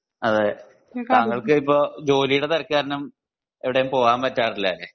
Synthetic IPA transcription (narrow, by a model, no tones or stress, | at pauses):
ɐðe | aːŋːɐɭkɨipːoːd͡ʑo̞ːlijuɽet̪ɐɾɐkːɨaːɾɐnɐm | eʋiɽejumpo̞ːɣaːmpɐtːaːrilːɐːle